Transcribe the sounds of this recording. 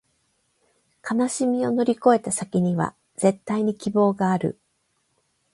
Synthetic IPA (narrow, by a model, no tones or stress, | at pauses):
kʰanaɕimʲio̞no̞ɾʲiko̞e̞t̪asakʲiɲ̟iβa̰ | zẽ̞t̪ːaiɲ̟ikʲibo̞ːɡaːɾɯ̰